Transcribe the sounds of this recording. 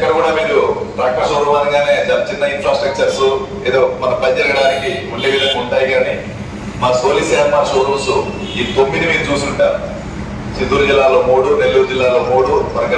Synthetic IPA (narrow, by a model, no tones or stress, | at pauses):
ɛkːɐɽɐɡuːɽaːmiːɾupɾaːkɐsɐɾuʋaːnɐŋɡaːne̞ːd͡ʒɐnɐt͡ʃinːɐinfɾaːsʈɾɐk̚t͡ʃɐɾsu | eːd̪oːmɐnɐpɐɲd͡ʒɐlɐɽaːnikiuɳɖeːʋid̪ʱɐŋɡauɳʈaːjiɡaːni | maːsoːliseːɐnaːsoːɾuːsu | iːt̪omːid̪imiːɾut͡ʃuːsuuɳʈaːɾu | t͡ʃind̪uːɾud͡ʒilːaːlo̞ːmuːɽune̞lːuːɾud͡ʒilːaːlo̞ːmuːɽuʋɐɾɡɐ